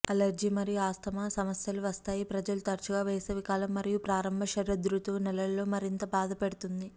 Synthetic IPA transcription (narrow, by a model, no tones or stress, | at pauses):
ɐlɐɾd͡ʒimɐɾijuaːst̪ɐmaːsɐmɐsjɐluʋɐst̪aːjipɾɐd͡ʒɐlut̪ɐɾt͡ʃuɡaːʋeːsɐʋikaːlɐmːɐɾijupɾaːɾɐmbʱɐʃɐɾjɐd̪ɾut̪uːnɛlɐlːo̞ːmɐɾint̪ɐbaːd̪ɐpeɽut̪und̪i